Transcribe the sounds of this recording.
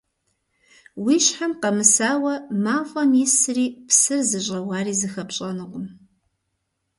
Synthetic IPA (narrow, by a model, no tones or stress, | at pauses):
wiːʃħamqɐmɨsaːwɐmaːfʼɐmisɨriːpsɨrzɨɕʼɐwaːriːzɨxɐpɕʼɐnɨqʷʼʊm